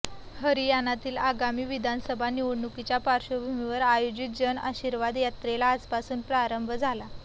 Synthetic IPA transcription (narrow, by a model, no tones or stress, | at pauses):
həɾijanːat̪iːlaɡamiːʋid̪ʱansəbʱaniʋuɽnukit͡ɕjapaɾɕobʱumiʋəɾajod͡ʑit̪̚d͡ʑəna̰ɕiɾʋad̪jat̪ɾelaːspasuːnpɾaɾəmbʱəd͡zʱala